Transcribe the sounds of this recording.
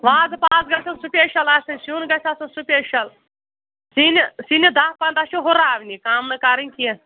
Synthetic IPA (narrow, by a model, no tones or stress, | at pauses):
ʋaːzɨpaːzɡɐsʲɐnsupʲeːʃɐlaːsʲɐnsunɡɐsʰʲɐsɐnsupʲeːʃɐl | sinʲsinʲid̪aːpɐ̃nt̪ɐʃuɦʊɾaːʋʲnʲikaːmnɨkɐɾɨnʲkie